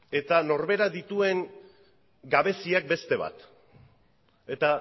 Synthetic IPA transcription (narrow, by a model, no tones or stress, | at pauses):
e̞t̪ano̞ɾβe̞ɾaðit̪ue̞ŋ | ɡaβe̞siak̚be̞st̪e̞β̞a̰t̪ | e̞t̪a